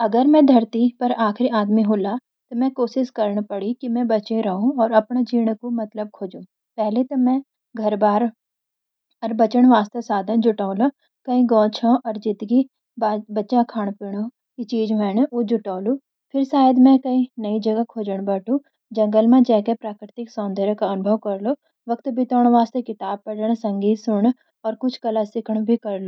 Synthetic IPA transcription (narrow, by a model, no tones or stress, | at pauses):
ɐɡəɾmɛ̃d̪ʱɐɾt̪ipɐɾaːxɾiaːd̪miɦoːla | t̪omɛ̃koːʃɪskɐɾɳpɐɽikimɛ̃bɐt͡ʃẽɾɐɦũɔːɾɐpnad͡ʒiːɽ̃komɐt̪ləb̚kʰoːd͡ʒũ | pɛɦlet̪omɛ̃ | ɡʱɐɾbaːɾ | ɔɾbɐt͡ʃəɽ̃ʋaːst̪ɐsaːd̪ʱãd͡ʒʊʈaːõla | kɐĩɡɔ̃ːt͡ʃʰãʔɔːɾd͡ʒɪt̪ɡi | babɐtːʃãkʰaːɽ̃pɪɽ̃o | kit͡ʃiːd͡ʒɦɛːñod͡ʒʊʈaːlu | pʰɪɾsaːjəd̪mɛ̃kɐĩnɐid͡ʒɐɡakʰoːd͡ʒəɽ̃bɐʈʰũ | d͡ʒɐ̃ŋɡəlmãd͡ʒɛːkepɾaːkɾɪt̪ɪksɔ̃ːnd̪ʱeːɾkaɐnʊbʱəʋkɐɾlo | ʋɐkt̪bɪt̪ɔːɽ̃ʋaːst̪ekɪt̪aːb̚pɐɽəɽ̃sɐ̃ŋɡiːt̪sʊɳ̃ | ɔːɾkʊt͡ʃʰkɐlasɪkʰəɽ̃bʱikɐɾlo